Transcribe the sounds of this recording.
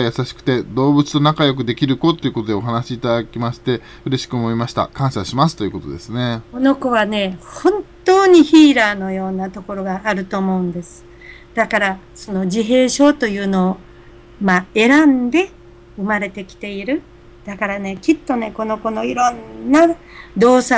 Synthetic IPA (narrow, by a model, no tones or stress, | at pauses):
jasaɕi̥kɯ̟̥t̪e̞d̪o̞ːbɯ̟t͡sɨ̥nonakajo̞k̬ɯ̟d̪e̞kʲiɾɯ̟ko̞t̪ːoiɯ̟ko̞t̪od̪e̞o̞ɦanaɕiːt̪ad̪akʲimaɕi̥t̪e̞ | ɯ̟ɾe̞ɕi̥kɯ̟omo̞imaɕi̥t̪a̰kãɰ̃ɕaɕimasɨ̥t̪o̞jɯ̟ko̞t̪o̞̰d̪e̞sɨne̞ko̞no̞ko̞βane̞hõ̞nt̪o̞ːɲ̟içiːɾaːno̞jo̞ːnat̪o̞ko̞ɾo̞ɡaːɾɯ̟t̪o̞ːmo̞ɯ̟̃nd̪e̞sɨ̥ | d̪̥akaɾaso̞no̞d͡ʑiɦe̞ːɕo̞ːt̪o̞jɯ̟ːno̞ː | mae̞ɾãnd̪e̞ | ɯ̟maɾe̞t̪e̞kʲi̥t̪e̞iɾɯ̟ | d̪̥akaɾane̞kʲit̪ːo̞ne̞ko̞no̞ko̞no̞iɾõ̞nːad̪o̞ːsa